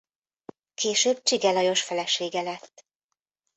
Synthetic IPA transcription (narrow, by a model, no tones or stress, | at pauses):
kʰeːʃøːb̚t͡ʃiɡɛlɒjo̞ʃfɛlɛʃeːɡɛlɛt̪ː